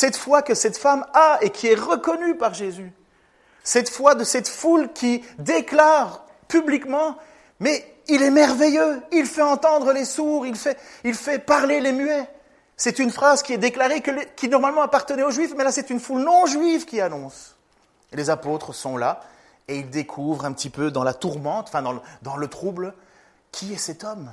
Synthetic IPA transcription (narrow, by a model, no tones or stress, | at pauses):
sɛt̪fwakəsɛt̪famaekʲʰiɛʁəkɔnypaʁʒezy | sɛt̪fwad̪əsɛt̪fulkʲid̪eklaːʁ | pyblikmɑ̃ | mɛ | ilɛmɛʁvɛjøilfɛɑ̃t̪ɑ̃d̪ʁəlesuʁilfɛilfɛpaʁlelemyɛ | sɛt̪ynfχazkʲiɛd̪eklaʁekəlekʲinɔʁmalmɑ̃apaʁt̪ənɛoʒɥifmɛlasɛt̪ynfulnɔ̃ʒɥivkʲianɔ̃s | lezapot̪χəsɔ̃la | eild̪ekʰuvʁɛ̃pət̪ipød̪ɑ̃lat̪uʁmɑ̃t̪ɑ̃fɛ̃d̪ɑ̃d̪ɑ̃lət̪χubl | kʲʰiɛsɛt̪ɔm